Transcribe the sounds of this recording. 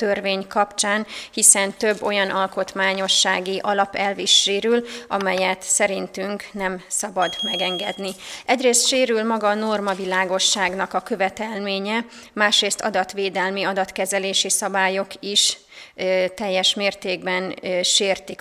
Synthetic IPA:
t̪ørveːɲkɒpt͡ʃaːnhisɛnt̪ø̞bːo̞jɒnʔɒlko̞t̪maːɲo̞ʃːaːɡiʔɒlɒpɛlviʃːeːɾylʔɒmɛjɛt̪sɛɾint̪yŋknɛmsɒbɒd̪mɛɡɛŋɡɛd̪niʔɛɟreːst̪ʃeːɾylmɒɡɒːno̞rmɒvilaːɡo̞ʃːaːɡnɒkɒkø̞vɛt̪ɛlmeːɲɛ | maːʃreːst̪ɒ̰d̪ɒt̪ʋeːd̪ɛlmiɒd̪ɒt̪kɛzɛleːʃisɒbaːjo̞kiʃ | t̪ɛjːɛʃmeːrt̪eːɡbɛnʃeːrt̪ik

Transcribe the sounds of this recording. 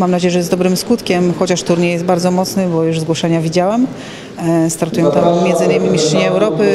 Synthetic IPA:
mamnad͡ʑɛjɛʐɛɛzd̪ɔbɾɘmskut̪kʲɛmxɔt͡ɕaʂt̪uɾɲɛjɛst̪baɾd̪zɔmɔt̪snɘbɔjuʐzɡwɔʂɛɲavʲid͡ʑawɛm | st̪aɾt̪ujɛ̃w̃t̪ammʲɛnd̪zɘɲamʲimʲiʂtt͡ʂɛɲɛɛwɾɔpɘ

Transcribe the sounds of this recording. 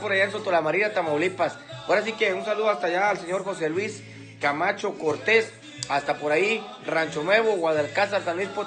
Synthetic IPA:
poɾajaensot̪olamaɾiɾat̪amaolipasoɾas̬ikeunsaluðoast̪ajaːlseɲoɾxos̬elwis | kamat͡ʃokoɾt̪es | ast̪apoɾai | rant͡ʃonweβowaðelkasaɾsanispo

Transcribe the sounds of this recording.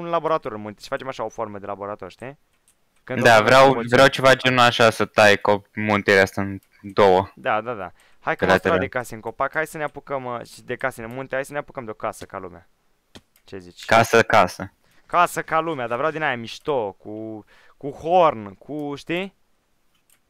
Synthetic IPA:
unlabo̞ɾat̪o̞ɾɨnmunt̪eʃi̥fat͡ʃemaʃao̞fo̞rməd̪e̞labo̞ɾat̪o̞ɾrʃt̪i | kɨnd̪avɾeawvɾejawt͡ʃevat͡ʃenuaʃasət̪ajkopmunt̪eɾeast̪aɨn | d̪owəd̪ad̪ad̪a̰ | hajkalat̪uɾad̪ekaseɨŋko̞pakhajsəneapukəmʃid̪e̞kasenemunt̪eajsəneapukəmd̪eo̞kasəkalumea | t͡ʃe̞zit͡ʃʲkasəkasə | kasəkalumead̪avɾeawd̪inajamiʃt̪oku | kuhornkʰuʃt̪i

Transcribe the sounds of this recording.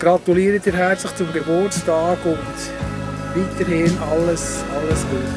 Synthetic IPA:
ɡ̥ɾɑt̪uliəɾət̪ɪɾɦæɾt͡slɪχt͡sʊmɡebʊrstɑːɡʊnd | viːt̪əɾɦhɪnɑlːəsɑlːəsɡuːt

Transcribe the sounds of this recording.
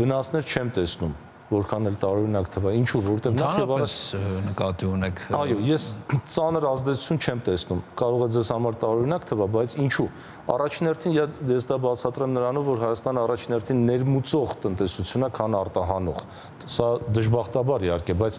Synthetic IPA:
vənɑsnɛɾt͡ʃʰɛmt̪ɛsnum | vɔɾkʰɑnɛlt̪ɑɾɔɾinɑkt̪ʰəvɑint͡ʃʰuvɔɾɛt̪ɛvnɑnɾjɛvɑsnəkɑt̪iunɛkʰɑjɔjɛst͡sɑnəɾɑzd̪ɛt͡sʰu̥t͡sʰjunt͡ʃʰɛmt̪ɛsnumkɑɾɔʁɛd͡zɛzhɑmɑɾt̪ɑɾɔɾinɑkt̪ʰəvɑbɑjt͡sʰint͡ʃʰu | ɑ̰rɑt͡ʃʰinhɛrt̪ʰinjɛjɛsd̪ɑbɑt͡sʰɑt̪ɾɛmnəɾɑnɔvːɔɾɦɑjɑst̪ɑnəɑrɑt͡ʃʰinhɛrt̪ʰinːɛɾmut͡sɔʁt̪ənt̪ɛsut͡sʰjunəkʰɑnɑrt̪ɑɦɑnɔʁ | sɑd̪əʒbɑχt̪ɑbɑɾihɑɾkɛbɑjt͡sʰ

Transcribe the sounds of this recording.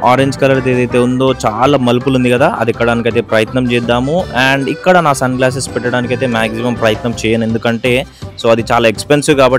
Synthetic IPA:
aːɾeɲd͡ʒkɐlɐɾt̪eːd̪ɐjt̪e̞ːund̪o̞ːt͡ʃaːlaːmɐlupulund̪ikɐd̪aːʔɐ̰d̪ɛkːɐɽaːnikɐjt̪e̞ːpɾɐjɐt̪nɐmt͡ʃɛːd̪ːaːmuɐɳɖikːɐɽɐnaːsɐnklaːs̬espɛʈːɐɽaːnikɐjt̪e̞ːmaːɡsimɐmpɾɐjɐt̪nɐmt͡ʃɛːjɐne̞nd̪ukɐɳʈe̞ː | so̞ːɐd̪it͡ʃaːlaːekspensiwkaːbɐi

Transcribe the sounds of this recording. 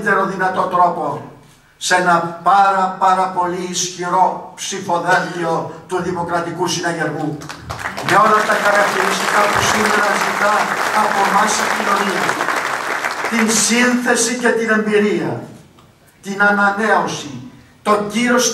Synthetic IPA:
t̪eɾo̞ðinɐt̪o̞t̪ɾo̞po̞ | se̞nɐpɐɾɐpɐɾɐpo̞liːsçiɾo̞psifoðɐʝio̞t̪uðimo̞kɾɐt̪ikusinɐʝeɾɣu | meo̞lɐt̪ɐxɐɾɐk̚t̪iɾist̪ikɐpusimeɾɐzit̪ɐːpo̞mɐseɟino̞niɐ | t̪insinθe̞sice̞t̪ine̞mbiɾiɐ̰ | t̪inɐnɐne̞o̞si | t̪o̞ɲɟiɾo̞s

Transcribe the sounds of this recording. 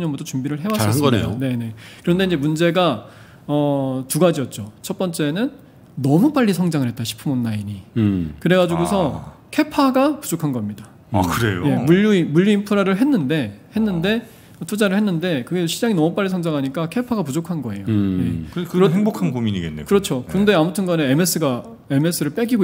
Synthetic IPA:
uɲʌnbutʰot͡ɕumbiɾɯɭɦe̞was͈ʌ̰one̞ne̞kɯɾʌnde̞ind͡ʑe̞mund͡ʑe̞ɡa | ʌtuɡad͡ʑiʌt̚t͡ɕ͈ot͡ɕʰʌp͈ʌnt͡ɕ͈e̞nɯnː | ʌmup͈aʎːisʰʌŋd͡ʑaŋɯɭhet͈aɕʰi̥pʰɯmonːaiɲikɯɾe̞ɡad͡ʑuɡusʰʌ | kʰe̞pʰaɡapu̥d͡ʑokʰanɡʌmɲida | kɯɾḛjo̰je̞muʎːumuʎːuimpʰɯɾaɾɯɭɦe̞nːɯnde̞he̞nːɯnde̞ | ʌtʰud͡ʑaɾɯɭhe̞nːɯnde̞kɯɡeɕʰid͡ʑaŋinʌmup͈aʎːisʰʌŋd͡ʑaŋɦaɲik͈akʰe̞pʰaɡapud͡ʑokʰanɡʌe̞joje̞kkɯɾʌheŋbokʰanɡumiɲiɡenːḛkɯɾʌt͡ɕʰokɯɯnde̞amutʰɯnɡʌneeme̞s͈ʰɯɡa | e̞me̞s͈ʰɯɾɯɭp͈e̞ɡiɡo

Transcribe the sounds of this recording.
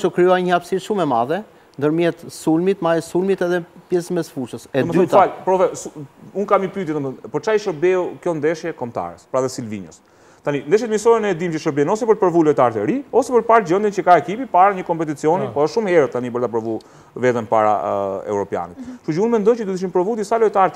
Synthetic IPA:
t͡ʃɔkɾiɔaɲəapsiʃumɛmaðɛ | nd̪əɾmjɛt̪sulmit̪majɛsulmit̪ɛðɛpjɛsmɛsfuɾʃəsɛmɛɔfalpɾɔvɛsuunkamipyt̪jɛt̪ɔnɔnpəɾt͡ʃaiʃəɾbɛukjɔnd̪ɛʃjɛkɔmt̪a̰ɾɛspəɾaðɛsilviɲəs | t̪anind̪ɛʃjɛt̪misɔɾɛnɛd̪imt͡ʃəʃəɾbɛnɔsɛpəɾpəɾvulɔt̪aɾt̪ɛɾiɔsɛpəɾpaɾd͡ʑənd̪int͡ʃəkaɛkipipaɾaɲəkɔmpɛt̪it͡siɔnipɔəʃʃumhɛɾɛt̪ːanibəɾt̪apəɾvu | vɛt̪ɛnpaɾa̰ɛ̰uɾɔpja̰nit̪ʃud͡ʒəunmɛnd̪ɔjt͡ʃəd̪ud̪iʃ̬impɾɔvud̪jisalɔjt̪aɾt̪

